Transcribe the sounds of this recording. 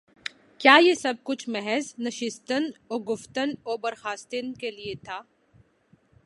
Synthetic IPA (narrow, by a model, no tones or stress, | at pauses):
kjaːjesɐb̚kʊt͡ʃʰmɛɦɛznɐʃɪst̪ənoːɡʊft̪ənoːbɐɾxaːst̪ɪnkeliet̪ʰaː